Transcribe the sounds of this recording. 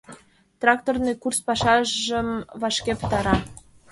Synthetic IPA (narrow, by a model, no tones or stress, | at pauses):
t̪rɑk̚t̪ornɨkurspɑʃɑʒʒəmvɑʃkʲepə̥̆t̪ɑɾɑ